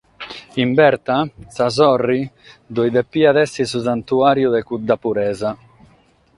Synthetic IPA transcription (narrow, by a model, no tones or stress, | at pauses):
imbɛɾt̪asazɔrːi | d̪ɔjd̪ɛpːiːad̪ɛsːisus̬ant̪uaːɾjuðɛkud̪ːapuɾɛːza